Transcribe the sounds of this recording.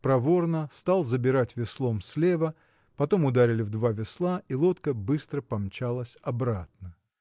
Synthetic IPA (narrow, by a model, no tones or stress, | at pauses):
pɾɐvo̞rnəst̪alˠzəbʲɪɾatʲvʲɪslˠo̞msʲlʲe̞və | pɐt̪o̞mʊd̪aɾʲɪlʲɪvd̪vavʲɪslˠaʔilˠo̞t̪kəbɨst̪ɾəpɐmt͡ɕalˠəsʲɐbɾat̪̚nə